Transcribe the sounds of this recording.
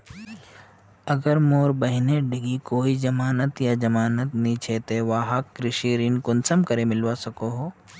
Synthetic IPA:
ɐɡəɾmoːɾbəɦɪneɖɪɡikoːid͡ʒɐmaːnət̪jad͡ʒɐmaːnət̪nĩt͡ʃʰeːt̪eʋaːɦakːɾɪʃiɾinkʊnsəmkəɾemɪlʋasɐkoɦoː

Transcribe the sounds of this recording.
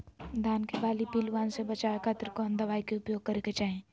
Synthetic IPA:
d̪ʱaːnkebaːlipiːlʋaːnsebɐt͡ʃaːekʰat̪ɾkoːnd̪əʋaːikeʊpjoːɡ̚kəɾeket͡ʃaːɦẽː

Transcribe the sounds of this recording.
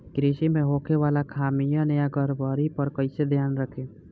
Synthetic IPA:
ɡɾeːʃimẽɦoːkʰeʋaːlakʰaːmijãnəjaɡəɾbaːɾipəɾkəɪsed̪ʱjaːnɾəkʰe

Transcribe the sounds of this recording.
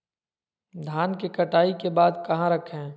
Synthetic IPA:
d̪ʱaːnkekɐʈaːikebaːd̪kɐɦãɾɐkʰɦɛ̃ː

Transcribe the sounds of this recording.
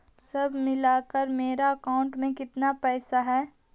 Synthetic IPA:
sɐbʱmɪlaːkəɾmeːɾaɐkaːʊ̃ɳʈmẽkɪt̪napɛːsaɦɛː

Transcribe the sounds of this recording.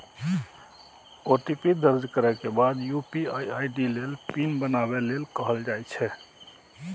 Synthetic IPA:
oʈipid̪əɾd͡ʒkəɾɛkebad̪jupiajajɖilelpinbənaβelelkəɦəld͡ʒajt͡ʃʰɛ

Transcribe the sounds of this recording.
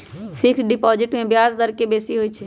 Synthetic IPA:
fʰɪksɖɪpɔːd͡ʒɪʈmẽbjaːzd̪əɾkebeːsiɦoit͡ʃʰ

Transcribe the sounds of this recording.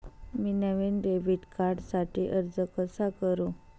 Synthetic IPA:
minəʋenɾebiʈkaɾɖsaʈiːʔəɾd͡zəkəsakəɾũ

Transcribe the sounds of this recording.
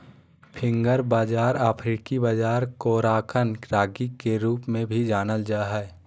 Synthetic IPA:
pʰɪ̃ŋɡəɾbaːd͡ʒaːɾaːpʰɾiːkibaːd͡ʒaːɾkoːɾaːkʰənɾaːɡikeɾuːpmẽbʱid͡ʒaːnəld͡ʒaːɦɛː

